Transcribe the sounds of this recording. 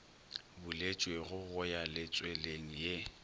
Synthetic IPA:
bulet͡ʃʼweɣʊɣʊjalɪt͡sʼweleŋ̩je

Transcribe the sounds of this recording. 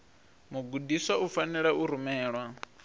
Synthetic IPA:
muɡudiswaufanɛɺauɾumɛːɺwa

